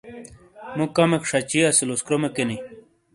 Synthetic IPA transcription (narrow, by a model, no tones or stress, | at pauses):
mũkamekʂat͡ɕiɐsiloskɾomekeni